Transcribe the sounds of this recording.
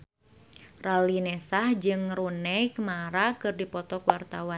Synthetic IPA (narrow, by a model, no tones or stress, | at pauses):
ralinɛsahd͡ʒɨŋrunɛjkmaɾakɨrdipɔt̪ɔkwart̪awan